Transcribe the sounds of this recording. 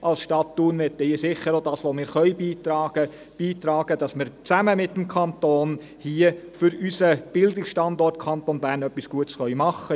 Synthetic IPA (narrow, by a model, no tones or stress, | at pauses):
ʔɑlsʃtɑtːunʋɛtːɛiːsɪχːəɾodɑːsʋomɪːɾχœʏbiːtɑːɡ̥ə | b̥iːtɾɑːɡ̥əd̥ɑsmɪɾt͡sæməmɪt̪ːm̩kʰɑntoːn | hiəfʏɾysəb̥ɪldɪksʃtɑndɔrtkʰɑntonbæːɾnœpːisɡ̥uətsχœɥmɑχːə